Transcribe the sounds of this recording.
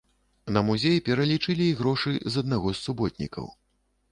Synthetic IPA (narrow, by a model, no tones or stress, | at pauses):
nɐmuzʲejipʲɛɾɐlʲit͡ʂɨlʲiːɣɾɔʂɨjzɐd̪̚naɣɔsːubɔt̪̚ʲnʲḭkɐ̰w